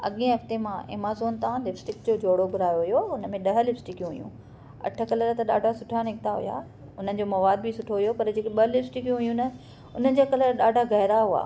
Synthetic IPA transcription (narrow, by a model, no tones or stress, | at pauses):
ɐ̰ɠẽɦɐft̪emãʔɪ̰ːmaːzoːn̆t̪ãlɪfsʈɪkd͡ʑoːd͡ʑʱoːɽoɡʱʊɾaːjoɦujoʊnə̆mẽɗɐɦə̆lɪfsʈɪkjũɦʊjṵ̃ | ɐ̰ʈʰə̆kɐləɾt̪ɐɗa̰ːɖʱasʊʈʰanɪk̚t̪aɦʊ̰ja̰ː | ʊn̤ənɪ̆d͡ʑomɐʋaːd̪̚bʱɪsʊʈʰoɦʊjopɐɾd͡ʑeːkeɓɐlɪfsʈɪkjũɦʊjũnɐ | ʊnənɪ̆d͡ʑakɐləɾɗaːɖʱaɣɐɦɾaɦua̰ː